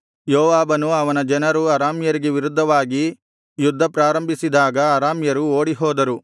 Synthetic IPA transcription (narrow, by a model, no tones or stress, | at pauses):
joːʋaːbɐnuɐʋɐnɐd͡ʒɐnɐɾuɐɾaːmjɐɾiɡeʋiɾud̪ʱːɐʋaːɡi | jud̪ʱːɐpɾaːɾɐmbʱisid̪aːɡɐːɾaːmjɐɾuoːɽiɦɔːd̪ɐɾu